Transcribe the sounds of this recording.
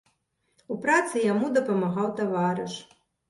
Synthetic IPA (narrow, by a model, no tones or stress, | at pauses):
upɾat̪sɨjamud̪ɐpɐmaɣawt̪avaɾɨʂ